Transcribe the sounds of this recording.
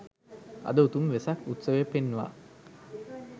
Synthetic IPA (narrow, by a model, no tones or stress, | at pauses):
ɐ̰d̪əut̪umʋesɐkut̪səʋepenːuʋa̰